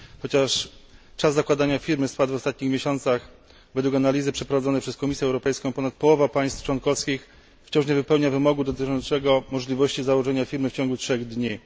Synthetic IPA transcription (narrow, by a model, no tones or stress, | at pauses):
xɔt͡ɕaʂt͡ʂazːakwad̪aɲafʲiɾmɘspad̪vɔst̪at̪̚ɲixmʲjeɕɔnt̪sax | vɛd̪wukanalʲizɘpʂɛpɾɔvad̪ɔnɛpʂɛskɔmʲisʲjɛwɾɔpɛjskɔ̃w̃pɔnat̪̚pɔwɔvapaj̃st̪ft͡ʂwɔnkɔfskʲix | ft͡ɕɔ̃w̃ʂɲɛvɘpɛwɲavɘmɔɡud̪ɔt̪ɘt͡ʂɔnt̪sɛɡɔmɔʐlʲivɔɕt͡ɕizawɔʐɛɲafʲiɾmɘft͡ɕɔ̃ŋɡutʂɛɣd̪ɲi